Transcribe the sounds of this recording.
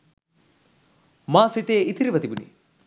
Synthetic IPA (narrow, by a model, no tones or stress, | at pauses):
maːsit̪eːʔit̪ʰiɾiʋɐt̪ibunḭ